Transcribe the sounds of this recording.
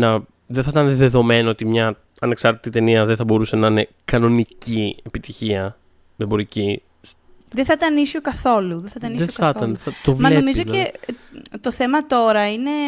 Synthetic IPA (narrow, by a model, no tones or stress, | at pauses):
nɐ | ðeθɐt̪ɐnðe̞ðo̞menoot̪imɲɐ | ɐne̞ksɐɾt̪i̥t̪it̪e̞niɐðeθɐbo̞ɾuse̞nɐne̞ | kɐno̞niciepit̪içiɐ | ðebo̞ɾici | s | ðeθɐt̪ɐnisokɐθo̞luðeθɐt̪ɐnieɐt̪ɐnɐt̪ovmɐlenomizoe | t̪o̞θe̞mɐt̪o̞ɾɐine̞